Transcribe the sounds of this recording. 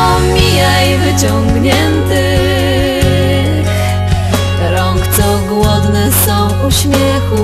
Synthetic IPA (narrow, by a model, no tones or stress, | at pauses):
mʲijajvɘt͡ɕɔŋɡɲɛnt̪ɘ | x | kɾɔ̃ŋkt̪sɔɡwɔd̪nɛsɔ̃w̃uɕmʲjɛxu